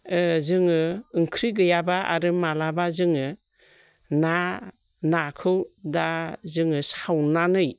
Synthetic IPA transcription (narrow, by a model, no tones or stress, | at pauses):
ɯzɯŋɯɯŋkʰɾiɡɯjabaa̰ɾɯmalabazɯŋɯ | na | nakʰɯwdazɯŋɯsawnanɯj